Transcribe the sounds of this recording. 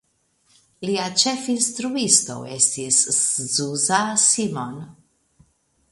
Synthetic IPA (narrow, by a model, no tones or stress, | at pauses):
liat͡ʃefinstɾuisto̞̰ḛstiszuzasimon